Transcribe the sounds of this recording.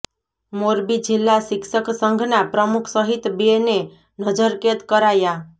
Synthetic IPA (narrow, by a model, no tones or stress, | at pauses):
moɾbid͡ʒilːasɪkʃəksə̃ŋɡʱnapɾəmukʰsəɦit̪bene | nəd͡ʒəɾket̪kəɾaja